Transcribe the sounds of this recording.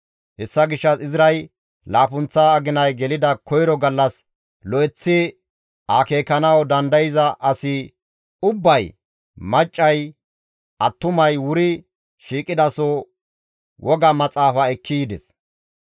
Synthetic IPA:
hɛsːɐɡɪʃːɐsɪzɾɐj | laːpʊnt͡sːaːɡɪnɐjɡɛlɪd̪ɐkɔjɾɔɡɐlːɐs | lɔɛt͡sːɪ | akeːkːɐnɐwd̪ɐnd̪ɐjɪzɐʔɐsɪ | ʊbːɐj | mɐt͡ʃʼːɐj | ʔɐt̪ːʊmɐjwʊɾɪ | ʃiːkʼɪd̪ɐsɔ | wʔɔɡɐmɐt͡sʼaːfɐɛkʰːiːd̪ɛs

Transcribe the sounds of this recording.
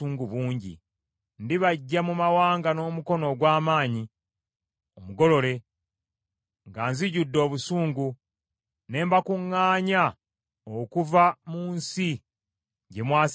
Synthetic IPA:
uːŋɡuβuːɲɟḭ | ndiβaɟːamumawaːŋɡano̞ːmuko̞no̞ɡwaːmaːɲi | omuɡo̞lo̞le̞ | ŋɡaːnziɟudːo̞ːβusuːŋɡu | ne̞ːmbakuŋːaːɲa | okuvamuːnsi | ɟe̞mwaː

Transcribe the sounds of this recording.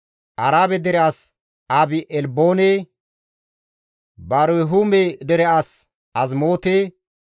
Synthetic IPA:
ʔɐɾaːbɛd̪ɛɾɛas | abɪʔɛlboːneː | baːɾʊɛɦumed̪ɛɾɛʔas | ɐzmoːt̪eː

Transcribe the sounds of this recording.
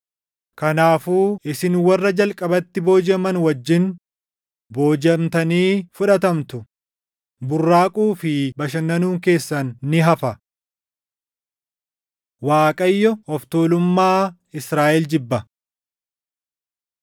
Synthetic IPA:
kɐnaːfuːɪsɪnwɐrːɐd͡ʒɐlkʼɐbɐt̪ːɪbo̞ːd͡ʒɐmɐnwɐd͡ʒːɪn | bo̞ːd͡ʒɐmt̪ɐniːfʊᶑɐt̪ɐmt̪ʊ | bʊrːaːkʼuːfɪbɐʃɐnːɐnuːŋke̞ːsːɐnːɪɦɐfɐ | waːkʼɐjːɔɔft̪oːlʊmːaː | ɪsɾaːʔɛld͡ʒɪbːɐ

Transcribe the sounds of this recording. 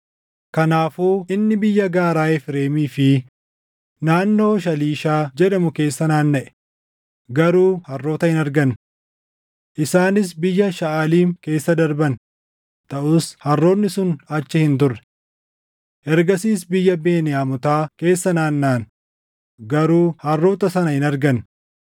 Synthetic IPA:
kɐnaːfuːʔɪnːɪbɪjːɐɡaːɾaːjɛfɾe̞ːmiːfɪ | naːnːo̞ːʃ̬ɐliːʃaːd͡ʒɛᶑɐmʊke̞ːsːɐnaːnːɐʔɛ̥ | ɡɐɾuːhɐrːo̞ːt̪ɐhɪnɐɾɡɐn | ʔɪsaːnɪs̬bɪjːɐʃɐaːliːŋke̞ːsːɐd̪ɐɾbɐn | t̪ɐʔʊshɐrːo̞ːnːɪsʊnɐt͡ʃːɪhɪnt̪ʊrːɛ̥ | ʔɛɾɡɐsiːs̬bɪjːɐbeːnɪjaːmʊt̪aːke̞ːsːɐnaːnːaːn | ɡɐɾuːhɐrːo̞ːt̪ɐsɐnɐhɪnɐɾɡɐn

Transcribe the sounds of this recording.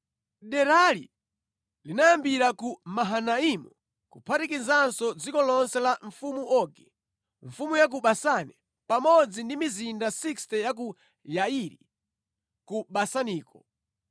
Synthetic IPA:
ɗɛɾalḭ | linajambiɾakumaɦanaimu | kupʰatikizansɔd͡zikɔlɔnsɛlaɱfumuʔɔɡɛ | ɱ̩fumujak̬uɓasanɛ | pamɔd͡zindimizindasikstɛjak̬u | jaiɾḭ | kuɓasaniːkɔ

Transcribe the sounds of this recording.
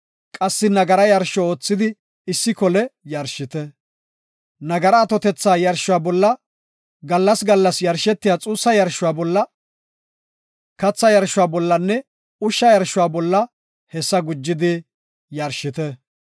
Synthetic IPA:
kʼɐsːɪnɐɡɐɾɐjɐɾʃɔoːt͡sːɪd̪ɪ | ɪsːɪkɔlɛjɐɾʃɪt̪ɛ | nɐɡɐɾɐːt̪ɔt̪ɛt͡sːaːjɐɾʃːʊwaːbɔlːɐ | ɡɐlːɐsɡɐlːɐsjɐɾʃɛt̪ːɪjaːt͡sʼuːsːɐjɐɾʃʊwaːbɔlːɐ | kɐt͡sːɐjɐɾʃʊwaːbɔlːɐnːɛ | ʊʃːɐjɐɾʃːʊwaːbɔlːɐ | hɛsːɐɡʊd͡ʒːɪd̪ɪ | jɐɾʃɪt̪ɛ

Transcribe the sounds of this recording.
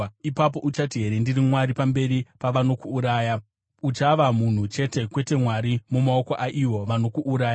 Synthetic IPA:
ipap̬o̞ʔut͡ʃatiɦe̞ɾendirimwaɾipambe̞ripaʋano̞kuːɾaːja | ut͡ʃaʋamun̤ut͡ʃe̞te̞kwe̞te̞mwaɾimumao̞ko̞ʔaʔiwo̞ʋano̞kuʔːɾaːja

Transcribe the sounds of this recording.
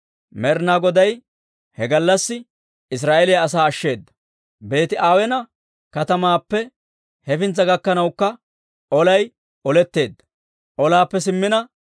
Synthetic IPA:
mɛɾnaɡɔd̪ɐj | hɛɡɐlːɐsːɪ | ɪs̬ɾaːʔɛlɪjɐːs̬aːɐʃːe̞ːd̪ːɐ̥ | be̞ːt̪ɪʔaːwɛnɐ | kɐt̪ɐmaːpːɛ | hɛfɪnt͡sːɐɡɐkːɐnɐwkːɐ | ɔlɐj | ʔɔlɛt̪ːe̞ːd̪ːɐ̥ | ʔɔlaːpːɛs̬ɪmːɪnɐ

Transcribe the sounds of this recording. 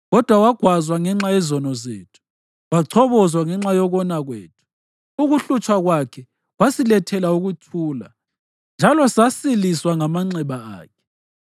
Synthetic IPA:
ɣɔd̥ʱwawaɡ̥ʱwazwaŋɛŋ͡ǁajɛzɔnɔzḛːtʰu̥ | waǀʰɔβɔzwaŋɛŋ͡ǁajɔɣɔnaɣwḛːtʰu̥ | uɣuɬut͡ʃʰʼwaɣwakʰɛ | wasilɛtʰɛlauɣutʰuːla̰ | nd͡ʒʱalɔsasiliswaŋamaŋ͡ǀɛβaa̰ːkʰɛ̥

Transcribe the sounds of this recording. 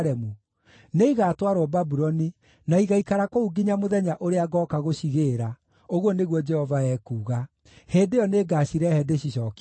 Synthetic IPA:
ɾɛmu | neiɣaːtwaɾwɔbabuɾɔni | naiɣaikaɾakouɡiɲamoðɛɲaʔoɾeaɡɔːkaɣoɕiɣeɾa | oɣwɔneɣwɔd͡ʒɛhɔvaɛkuːɣa | heːndejɔneɡaːɕiɾɛhɛdeɕiʃɔk

